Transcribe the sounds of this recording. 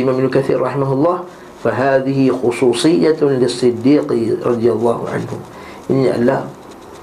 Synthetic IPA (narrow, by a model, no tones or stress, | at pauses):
ɪmaːmbnʊkaθḭːɾɾˤɑħɪmaɦʊlˤːɑːh | faɦaːðɪhɪxʊsˤuːsˤɨjːalɪsˤːɨd̪ːiːqɾˤɑd̪ˤjalˤːɑːhʊ̰ʕa̰nhʊ | ʔɪnːiʔa̰lːa̰ːm